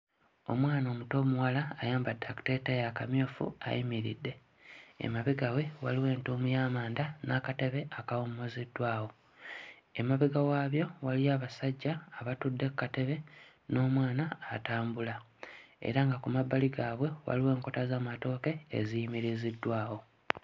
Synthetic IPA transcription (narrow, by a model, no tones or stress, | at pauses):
o̞̰mwaːno̞ːmuto̞ːmuwalaːjaːmbadːaku̥te̞tejakamjoːfṵa̰jimiɾḭdːe̞ | ḛmaβiɡawe̞waliwe̞ːntuːmujaːmaːndanakate̞βe̞ʔakawomːo̞zidːwaːwo̞ | emaβiɡawaːβjo̞waliaːβasaɟːaːβatudːe̞kːate̞βe̞ | no̞ːmwaːnaːtaːmbula | e̞̰ɾaŋɡakumabːaliɡaːβwe̞wa̰liwe̞ːŋko̞tazaːmato̞ːke̞̰ːzijimiɾizidːwaːwo̞